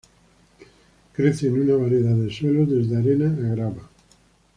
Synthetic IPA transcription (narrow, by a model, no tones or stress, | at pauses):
kɾeθenunaβaɾjeðaðesweloðezðeaɾenaːɣɾaβa